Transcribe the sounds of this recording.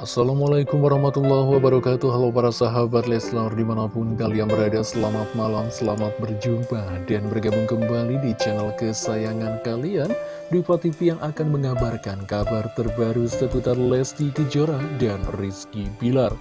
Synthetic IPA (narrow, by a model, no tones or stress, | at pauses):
ʔasːalamalajkʊmwaɾahmat̪ulːɔhwabaɾakat̪uɦalawpaɾasaɦabat̪lɛsnardimanapʊnkalianbəɾadarsəlamat̪̚malamsəlamat̪̚bərd͡ʒumpadanbərɡamuŋkəmbalidit͡ʃɛnalkəsajaŋankalian | dupat̪ipijaŋʔakanməŋabarkankabart̪ərbaɾusəkut̪arlɛst̪ikəd͡ʒoɾadanriskibilar